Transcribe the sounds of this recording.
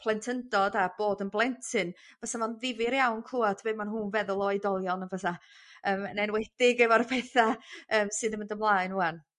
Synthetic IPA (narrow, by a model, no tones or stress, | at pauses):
pʰlˠɛntʰəndɔdab̥oːdənblˠɛntʰɨn | vaθamanðɪvɪɾjawnkʰluːatʰbeːmanɦuːnvɛðʊlˠɔjɨdɔlˠjɔnəvəθaəːmənɛnwɛd̥ɪɡɛvaɾpʰɛθaəːmsɨːðəməndəmlˠaɨnuan